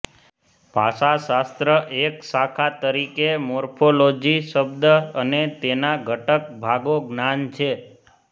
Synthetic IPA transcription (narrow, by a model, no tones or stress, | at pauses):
paʃasast̪ɾəʔeksakʰat̪əɾikemoɾpʰolod͡ʒiʃəbd̪əənet̪enaɡʱəʈək̚bʱaɡoɡnant͡ʃʰe